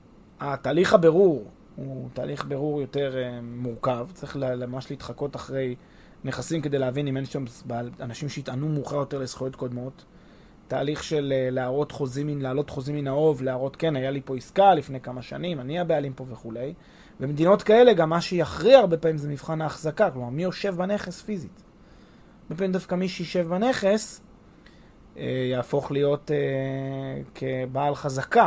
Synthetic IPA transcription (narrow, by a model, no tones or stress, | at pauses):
ataːliχabe̞ʁuʁ | utaːliχbe̞ʁuʁjo̞te̞ʁemuʁkavt͡saʁiχllemamaʃliit̪χako̞taχʁe̞j | neχasimke̞d̪ejleavinimenʃamzbaanaʃimʃeitanumuχaʁjo̞te̞ʁlesχujo̞tko̞d̪mo̞t̪ː | aːliχʃe̞leleaʁo̞t̪χo̞ziminlaːlo̞t̪χo̞ziminao̞vleaʁo̞tke̞najalipo̞iskalifnejkamaʃa̰nimaniabealimpo̞veχule̞j | vemed̪ino̞t̪kae̞le̞ɡamːaʃejaχʁiaaʁbe̞pamimzemivχanaːχzakaklomaʁmijo̞ʃe̞vbane̞χe̞sfizit̪ | aʁbe̞pamimd̪afkamiʃeiʃe̞vbane̞χe̞s | ejaːfo̞χlijo̞te | kʰebaːlχazaka